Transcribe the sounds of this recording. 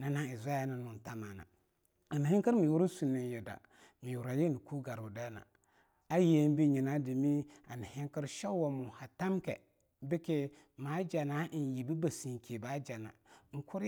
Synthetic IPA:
na˨na˦ɪ˨za˦a˦na˨nʊ˨n˨ta˦ma˨na̰˨ | a˨ni˨ɦɪ˦ŋkə˦ɾmi˨wu˦ɾu˦su˨nːi˨˦jɛ˨da̰˨ | mi˨wu˨ɾa˨je˦ni˨ku˦ɡa˨ɾu˨dɛː˦na̰˨ | a˦je˦n˦bi˦˨ɲi˨na˦di˨mi˦a˨ni˨hɪ˦ŋkə˦ɾʃa˦wɔ˨mu˨ha˨ta˦mkɛ̰˨ | bɪ˦ke˦ | ma˨˦d͡ʒa˨na˨˦˨ji˨bi˦ba˨si˨ŋ˨kʰe˨ba˦d͡ʒa˨na̰˨ŋ̩˨kʊ˦ɾ

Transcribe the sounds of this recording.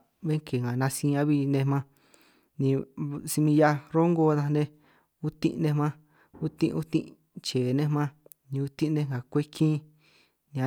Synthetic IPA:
βe˦ŋke˨ŋã˨nã˧sĩ˧ã˧βi˧nẽ˧mã˦ | nĩ˧si˧mĩ˧ja˧˦ɾo˦ŋɡo˧˦ða˧nẽ˧ | u˦t̪ḭ̃˧ʔnẽ˧mã˦ | u˦t̪ḭ̃˧ʔu˦t̪ḭ̃˦ʔ | t͡ʃeː˨nẽ˦˧mã˦ | nĩ˧u˧t̪ĩ˦˧nẽ˧ŋa˨kʷe˦kʰĩ˦ | nĩ˧ã˧

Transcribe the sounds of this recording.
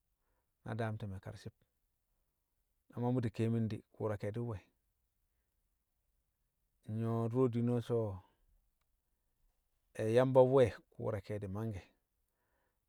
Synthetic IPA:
na̰˨da˦mti˨me˨ka̰˨ɾsi˦p̚ | na˨ma˦mu˦di˨ke˦mi˦ndḭ˨kṵ˨ɾa˨ke˨di˦we˨ | ɲo˦ɾo˦di˦no˦so˦ | e˨ja˦mba˦we˦˨kṵː˨ɾa˨ke˨di˨ma˦ŋɡe˨

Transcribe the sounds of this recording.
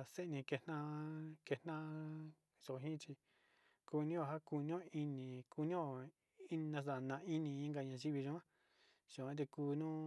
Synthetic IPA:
a˧˨se˦˧nĩ˧ke˧nã˦ke˧nã˦ | ʒo˨˧ɦĩ˦t͡ʃi˧ | ku˧nĩ˦o˧˨ɦa˦ku˧nĩ˦õ˦i˧nĩ˨˧ku˧nĩ˦o˧ | i˦˧nã˧s̬a˨nã˧˨˧i˦nĩ˧ĩ˦ŋɡa˧˨ɲã˧˨ʒi˦βi˧ʒũ˧˦ã˦ | t͡ʃũ˨ã˦t̪e˧kuː˧nũː˦

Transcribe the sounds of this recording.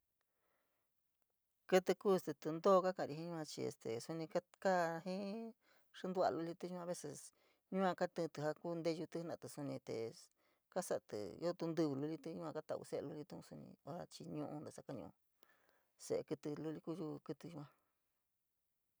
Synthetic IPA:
kɨ˦˧t̪ɨ˧ku˦˨st̪e˧t̪ɨ˧nd̪oː˦˧ka˦kã˧˨˧ɾi˧ɦĩ˦ɲũ˦ã˧t͡ʃi˧ḛ˧st̪ḛ˨su˧nĩ˧ka˦ka˦ɦĩ˦ | ʂɨ˦nd̪u˧a̰˧lu˧li˧t̪ɨ˧˦ʒũ˦˧ã˧βe˦se˧s | ɲũ˦ã˧ka˦t̪ɨ̃˧t̪ɨ˧ɦa˧ku˦˧nd̪e˦˧ʒu˧t̪ɨ˧˦nã̰˧˨t̪ɨ˨su˧nĩ˧t̪e˨ | ka˦sa˧t̪ɨ̰˨jo˦t̪u˧nd̪ɨ˦˧βɨ˧lu˧li˧t̪ɨ˧˦ɲũ˦kã˧ka˦t̪a̰˧˨˧ṵ˧se˦ḛ˧lu˧li˧t̪u˧˦ũ˧su˧nḭ̃˧o˧ɾa˧t͡ʃi˧ɲũ˧ʔũ˧nd̪e˧˨sa˦ka˦ɲṵ̃˧ʔṵ̃˧ | sḛ˧ʔe˧kɨ˧t̪ɨ˧lu˧li˧ku˦˧ʒu˧kɨ˧t̪ɨ˧ʒu˧ã˧

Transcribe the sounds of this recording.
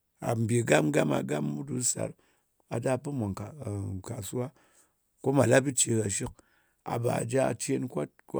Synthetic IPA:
a̰˨m̩˨bʲe˨ɡa˦m˦ɡa˦ma̰˨ɡa˦mːu˦du˨˦sa̰˨ɾ | a˨da˦pɨ˦mʷa˨ŋkka˨su˦wa˦ | ko˦ma˨la˦bi˦t͡ʃe˧ka˨ʃi˦k̚ | a̰˨ba̰˨d͡ʒa˦˨t͡ʃe˦nkʷa˦t̚k

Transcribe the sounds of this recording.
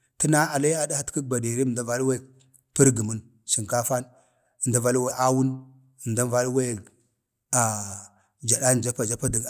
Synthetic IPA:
ti˦na˦a˨la˦ja˦da˦ha˨tə˦k̚ba˨di˨ɾi˦˨da˦va˦lwe˦˨ | pə˦ɾɡi˨mu˦n | ʃi˨ŋka˦fa˦n | ə˨nda˦va˦lwe˦ʔa˦wu˦n | ə˨nda˦va˦lwe˦˨ | a˨ | d͡ʒa˨ɗa˦n˨d͡ʒa˦pa˨d͡ʒa˦pa˦di˨ɡ

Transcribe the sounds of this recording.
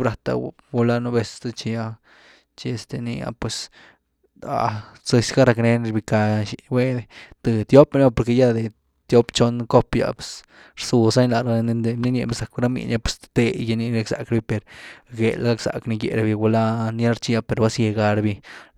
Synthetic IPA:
bɾa˨t̪a̰˧ | ɡu˧la˦nu˦be˧st̪a˦t͡ʃi˧ja˧ | t͡ʃi˧e˧st̪e˧nḭ˧a̰˨pwe˨s | a̰˨se˧sɡa˦ɾa˧kne˧n˧ɾbi˧ka˧ʃi˧we˦d̪e˧t̪ɨ˧t̪jo˦pn˦a˦po˨ɾke˧ja˦d̪e˨ | t̪jo˦pt͡ʃo˧˦nko˦pja̰˧˨pe̥˧˨s | ɾsu˧sa˦ɲla˨ɾa˧n˧nd̪e˧bni˦ne˧be˦sa˨kɾa˦mḭ˧˨nja˦pwe̥˧st̪t̪e˧ja˧ni˦ɾa˦ksa̰˨kɾbi˧pe˨ɾɡe˨lɡa˦ksa̰˨kni˧ɡḛ˧˨ɾa˧bi˧ɡu˧la˦ni˧˦a˦ɾt͡ʃi˧ja˧pe˨ɾba˦sje˧ɡa˧ɾbi˧

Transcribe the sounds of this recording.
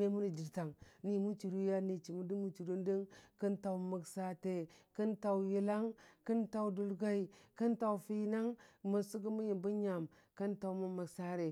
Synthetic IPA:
e˦mu˦ni˨d͡ʒi˨ɾta˨ŋni˦mu˦t͡ʃi˨ɾu˦ja˦ni˨t͡ʃi˨mu˦di˦mu˦t͡ʃi˨du˦ndə˦ŋkə˦nta˨wmə˨ksa˦te˨kə˦nta˨wji˦la˦ŋkə˦nta˨u˨˦du˦lɡa˦i˨kə˦nta˨wfi˦na˦ŋmə˨su˦ɡə˦mu˦ji˨mbu˦ɲa˨m | kə˦nta˨wmu˦ma˨ksa˦ɾe˨

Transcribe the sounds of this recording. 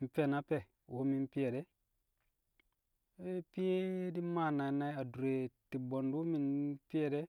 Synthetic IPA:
m̩˨pe˦˨na˦pe˦˨ | wo˦mi˦n˦pi˦je˨ɾe˦ | pi˦je˦di˦ma˦˨na˨i˨na˦a˨du˨ɾe˨ti˨bo˨ndu˦mi˦˨npi˦e˦˨ɾe˦

